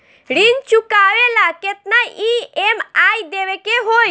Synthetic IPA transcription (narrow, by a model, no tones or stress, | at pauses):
ɽint͡ʃukaʋelaket̪̚naiemajd̪eʋekeɦoj